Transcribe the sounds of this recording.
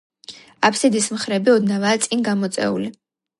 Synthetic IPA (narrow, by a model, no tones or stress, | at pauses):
apʰsid̪ismχɾɛbiɔd̪navaːt̪sʼinɡamɔt̪sʼɛ̰ṵli